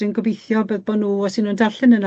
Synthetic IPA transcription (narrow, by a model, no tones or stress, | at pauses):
ɨnɡɔbejθjɔbəðbɔnuːɔsɨnundarɬɨnəna